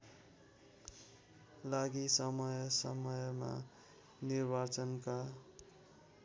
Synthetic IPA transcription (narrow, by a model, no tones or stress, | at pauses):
laɡisʌmʌjsʌmʌjma̰ | nirbat͡sʌnka